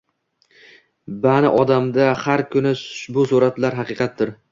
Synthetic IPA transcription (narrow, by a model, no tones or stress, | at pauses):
banɪʔɒd̪amd̪ahaɾkʰʊnɪbʊsuɾat̪laɾɦɑqɨqʰɑt̪̚d̪ɪɾ